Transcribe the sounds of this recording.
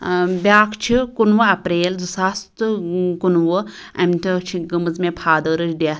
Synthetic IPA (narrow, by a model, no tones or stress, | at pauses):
bʲaːkʰt͡ʃʰikunʋɐɐpɾeːld͡zusast̪ɨkunʋɐ | ɐmt̪ʰɐt͡ʃʰiɡəmɐzmepʰaːd̪əːɾɐt͡ʃdʲaː